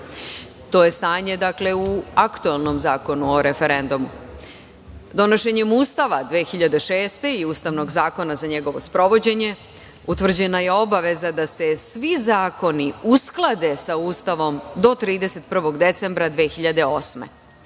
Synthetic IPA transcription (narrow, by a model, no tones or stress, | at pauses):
t̪o̞ːje̞st̪aːɲe̞d̪akle̞uakt̪uelˠno̞mzaːko̞nuoɾefe̞ɾend̪umu | d̪o̞noʃe̞ɲe̞muːst̪aʋad̪ʋeːxiʎad̪e̞ʃe̞ːst̪e̞iuːst̪aʋno̞ɡzaːko̞nazaɲe̞ɡo̞ʋo̞spɾo̞ʋo̞d͡ʑe̞ɲe̞ | ut̪ʋr̩d͡ʑe̞naje̞o̞baʋe̞zad̪ase̞sʋizaːko̞niusklˠad̪e̞sauːst̪aʋo̞md̪o̞t̪ɾiːd̪e̞se̞t̪̚pr̩ʋo̞ɡd̪e̞t̪se̞mbɾad̪ʋeːxiʎad̪e̞o̞smḛ